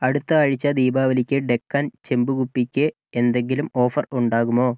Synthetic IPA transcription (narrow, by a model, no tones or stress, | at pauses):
ɐɽut̪ːɐːɻit͡ɕːɐd̪iːbaːʋɐlikʲːɨɖe̞kːaːnt͡ɕe̞mbukupːikʲːɨ | end̪e̞ŋɡilumo̞ːfɐruɳɖaːɣumo̞ː